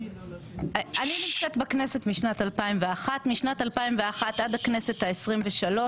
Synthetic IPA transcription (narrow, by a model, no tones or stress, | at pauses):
aninimt͡setbakne̞setmiʃnatalpaimveaχatmiʃnatalpaimveaχatadhakne̞se̞thaesʁimveʃalo̞